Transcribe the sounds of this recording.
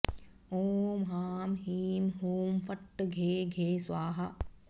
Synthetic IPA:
oːmɦaːmɦiːmɦuːmfɐʈːɡʱeːɡʱeːsʋaːɦɐ

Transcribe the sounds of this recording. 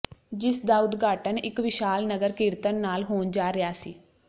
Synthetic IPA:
d͡ʒɪsd̪aːʊd̪ɡaːʈənɪkʋɪʃaːlnəɡəɾkɪɾt̪ənːaːlɦoːnd͡ʒaːɾɪjaːsḭː

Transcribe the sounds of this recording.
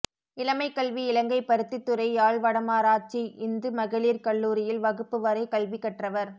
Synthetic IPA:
ɪlɐmɐɪkːɐɭʋiɪɭɐŋɡɐɪpːɐɾɯt̪ːɪt̪ːɯɾɐɪaːɭʋɐɽɐmaːɾaːʈ̚t͡ʃːiɪnd̪ɯmɐɣɪɭiːɾkɐɭːuːɾɪjɪlʋɐɣɯpːɯʋɐɾɐɪkɐɭʋɪkːɐʈrɐʋɐɾ

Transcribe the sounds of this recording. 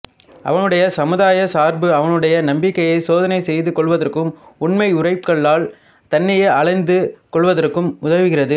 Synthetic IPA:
ʔɐ̰ʋɐnɯɽɐjɐsɐmɯðaːjɐsaːɾbɯɐʋɐnɯɽɐjɐnɐmbɪkːɐjɐɪsoːðɐnɐɪsɛjðɯkɔɭʋɐðɐrkɯmʊɳmɐɪʊrɐɪpkɐɭːaːl | t̪ɐnːɐjeːɐɭɐɪnd̪ɯkɔɭʋɐðɐrkːɯmʊðɐʋɪɣɪrɐðɯ

